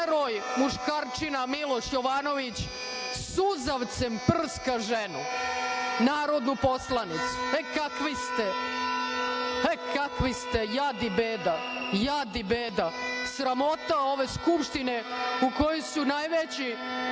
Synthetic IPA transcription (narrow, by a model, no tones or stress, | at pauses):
ɾojmuʃkaːɾt͡ʃinamilo̞ʃjoʋano̞ʋit͡ɕ | suzaʋt̪sɛmpr̩skaʒenu | naːɾod̪nupo̞slˠanit̪su̥ekakʋist̪e | ekakʋist̪ejad̪ibeːd̪a | jad̪ibeːd̪asɾamo̞t̪aoʋe̞skupʃt̪ineuko̞josunajʋet͡ɕi